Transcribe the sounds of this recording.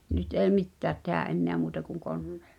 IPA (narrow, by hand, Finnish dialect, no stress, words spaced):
nyt eˑi̞ mitːæːt tehæʔ ʔenːeæ muːtɑ kuŋ konːe̥ːl̥ːɑ̥